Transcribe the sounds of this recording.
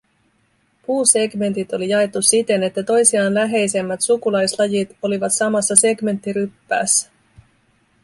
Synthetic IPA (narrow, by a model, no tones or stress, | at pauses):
puːse̞ɡme̞nt̪it̪o̞lijɑe̞t̪ːusit̪e̞ne̞t̪ːæt̪o̞jsiɑːnlæɦe̞jse̞mːæt̪sukulɑjslɑjit̪o̞liʋɑt̪sɑmɑsːɑse̞ɡme̞nt̪ːiɾypːæ̰ːsːæ̥